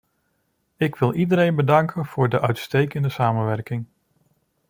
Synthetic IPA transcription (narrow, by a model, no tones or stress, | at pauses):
ɪkʋɪlˠidəɾejnbədɑŋkənv̥ʊːɹdəʔœɥtstejkəndəsaːmənʋɛɹkɪŋ